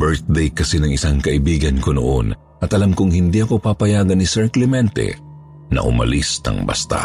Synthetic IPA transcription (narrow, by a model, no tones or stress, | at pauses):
bɛɹt̪̚d̪ɛjkɐsɛnɐŋɪsaŋkɐʔɪbiːɡɐnkono̰ʔon | ʔɐt̪ɐlamkʊŋhɪnd̪iʔɐko̞papɐjaːɡɐnːɪsɐɹklɪmɛnt̪ɛ̰ | nɐ̰ʔʊ̰mɐ̰lisnɐ̰ŋbɐ̰st̪a̰